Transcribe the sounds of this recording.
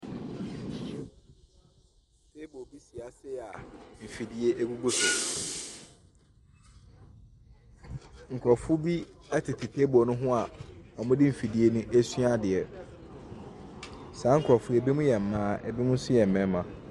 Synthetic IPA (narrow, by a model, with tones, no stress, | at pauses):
se˦bo˨bi˦si˨a˨sɪ˦˨a˨m̩˨fi˨di˦e˦ʔe˦ɡu˦ɡu˦sʊ˨ | ŋ̩˨kʰɾɔ˨fʊ˦bi˦ɛ˦tʰɪ˨tʰɪ˨tʰe˦bɔ˨nʊ̃˦ɦʊ̃˦a˨ɔ˨mʊ̃˦dɪ˦m̩˨fi˨di˦e˦nʊ̃˦ʔæ˦sɥa˦dɪ˨ɛ˨ | saː˨˦ŋ̩˨kʰɾɔ˨fʊ˦ɛ˨bi˦mʊ̃˦jɛ˨m̩˨mːãː˦ɛ̰˨bi˦mʊ̃˦sʊ˦jɛ˨m̩˨mɛ̃˦mã˨